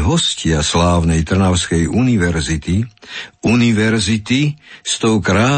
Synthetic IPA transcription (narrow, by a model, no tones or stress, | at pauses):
ɦɔscɪaslaːʊnɛjt̪r̩naʊskɛjuniʋɛɾzit̪iuniʋɛɾzit̪ist̪ɔʊkɾaː